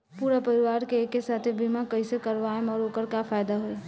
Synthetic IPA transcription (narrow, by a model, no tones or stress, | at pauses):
puːɾapəɾiʋaːɾkekːesaːt̪ʰebimakəɪsekəɾʋaemɔɾoːkəɾkapʰaːjd̪aɦʊe